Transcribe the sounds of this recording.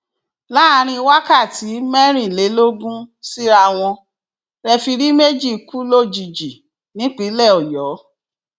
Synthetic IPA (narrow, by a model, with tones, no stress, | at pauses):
la˦˧ɾ̃ĩ˧wa˦ka˦˨ti˨˦mɛ˦ɾ̃ĩ˦˨le˨˦lo˦ɡũ˦si˦ɾa˧w̃ɔ̃˧ | ɾɛ˧fi˧ɾi˦me˦d͡ʒi˦˨ku˦lo˦˨d͡ʒi˨d͡ʒi˨ | nĩ˨˦k͡pi˨˦lɛ˦˨ɔ˨jɔ˨˦